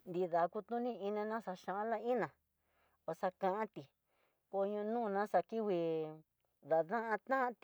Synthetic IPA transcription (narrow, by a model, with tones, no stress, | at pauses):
nd̪i˧ða˨˧ku˧t̪ũ˦nĩ˦i˧nẽ˧nã˦sa˧ʃã˧ʔla˦i˦nã˨ | o˧sa˧kã˧ʔã˦t̪i˨ | ko˧ɲũ˧nũː˦˨˧nã˦sa˧ki˦wi˧ | ða˨ðã˦ʔã˧t̪ã˦ʔt̪i˨